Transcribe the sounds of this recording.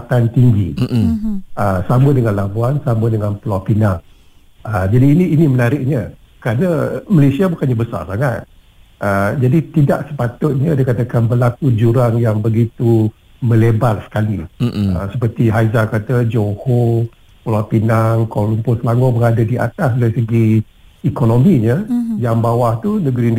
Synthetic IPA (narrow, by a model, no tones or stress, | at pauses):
at̪ant̪iŋɡi | əsambʊt̪̚dəŋanlabuansambʊt̪̚dəŋanpəlapinaŋ | əd͡ʒadiːniːnimənaɾɪʔ̚ɲə | kəɾanəməlesiabukanɲabəsa̰rsaŋat̪̚ | ʔəd͡ʒadit̪idaʔsə̥pat̪ʊt̪̚ɲədəkat̪akanbəlakud͡ʒuɾaŋjaŋbəɡit̪u | mə̃lebalsə̥kaliə̰səpərt̪iɦajzakat̪əd͡ʒoho | pulapinaŋkolumpʊsəlaŋɔbəɾadadia̰t̪as̬dasəɡi | ikonomiɲəjaŋbawaht̪unəɡɾin